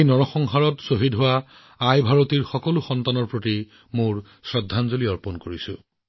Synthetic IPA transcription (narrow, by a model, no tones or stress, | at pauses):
nɔɹɔxɔŋɦaɹɔtsoɦidɦʊwa | ajbʱaɹotiɹxɔkɔlʊxɔntanɔɹpɹoti | mʊɹ | sɹɔdʱːanzoliɔɹpɔnkoɹisʊ̃